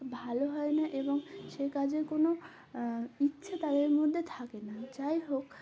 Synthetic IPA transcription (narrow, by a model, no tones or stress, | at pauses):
bʱaloɦɔenaʔeboŋʃekad͡ʑeɾkono | itːɕʰʃʰat̪ad̪eɾmod̪ʱːet̪ʰakenat͡ɕajɦok